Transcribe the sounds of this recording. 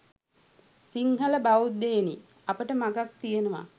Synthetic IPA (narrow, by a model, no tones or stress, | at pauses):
siŋɦələbaud̪eːni | apəʈəmaɡak̚t̪ijenəʋa̰